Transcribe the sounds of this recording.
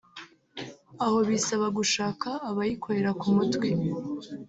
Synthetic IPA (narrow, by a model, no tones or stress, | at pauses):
aho̞βisaβaɡuʃaːkʰaːβajikʰoɾe̞ɾakumutwi